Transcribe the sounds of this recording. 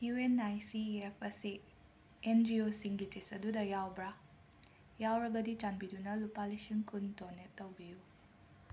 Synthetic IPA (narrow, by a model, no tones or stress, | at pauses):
juenajsiepʰɐsi | endiosiŋɡitesɐdudɐjawbɾa | jawɾɐbɐdit͡ʃanbidunɐlupalisiŋkuntonːetɐwbiju